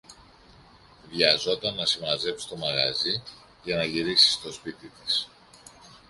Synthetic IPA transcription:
ðʝɐzo̞t̪ɐnːɐsimɐze̞psi̥st̪o̞mɐɣɐ̰zi | ʝɐnɐʝiɾiksi̥st̪o̞spit̪it̪is

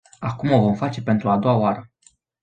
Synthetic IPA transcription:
akumo̞vo̞mfat͡ʃe̞pe̞nt̪ɾuad̪o̞waoaɾə

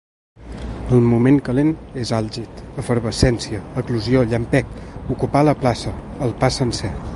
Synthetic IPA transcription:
əlˠmumeŋkəlenezalˠʒit̪əfəɾβəsɛnsiəːkluzioʎəmpɛkukupaləplasəːlˠpasənsɛ

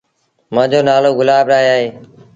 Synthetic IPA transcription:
mãːd͡ʑoːnaːloːɡʊlaːbɾaːɦeaːɦeː

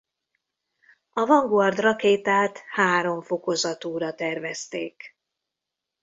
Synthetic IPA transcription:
ɒvɒŋɡoɒrd̪rɒkeːt̪aːt̪haːɾo̞ɱfo̞ko̞zɒt̪uːɾɒt̪ɛrvɛst̪eːk

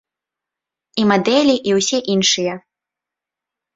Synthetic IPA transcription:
imad̪ɛlʲiʔiwsʲɛʔinʂɨjɛ

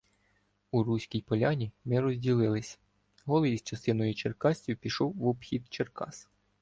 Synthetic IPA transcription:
urusʲkʲijpɔlʲanʲimɪɾɔzʲdʲilˠɪlˠɪsʲ | ɦɔlˠɔjizt͡ʃɐst̪ɪnɔjʊt͡ʃerkɑsʲtʲupʲiʃɔwʋɔbxʲid̪t͡ʃerkɑ̰s

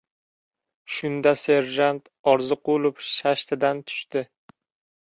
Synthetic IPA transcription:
ʃʊnd̪ase̞ɾʒant̪ | ɒɾzɨqʰolˠʊpʃaʃt̪ʰɪd̪ant̪ʰʊ̥ʃt̪ɪ

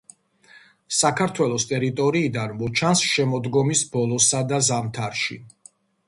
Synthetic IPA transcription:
sakʰaɾt̪ʰwɛlˠɔst̪ʼɛɾit̪ʼɔɾiːd̪anmɔt͡ʃʰansʃɛmɔd̪ɡɔmisbɔlˠɔsad̪azamt̪ʰaɾʃḭ

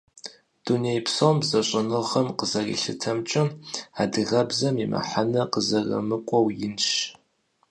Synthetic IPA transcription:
d̥unejpsombzɐɕʼɐnɨʁɐmqəzɐrḭɬɨ̰tʰɐmt͡ʃʼɪmaːdɨʁɐbzɐmimɐ̰ħanɐqəzɐrɐ̰mɨkʷʼɔwjɪnʃ

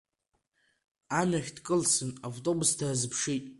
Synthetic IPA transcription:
anaχʲdkʼɨlsɨnavtʼo̞bʊsdʰazɨpʰʂitʼ

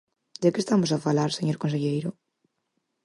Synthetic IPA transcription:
d̪ɪkɪest̪amos̬afalaɾseɲoɾkons̬eʎejɾʊ

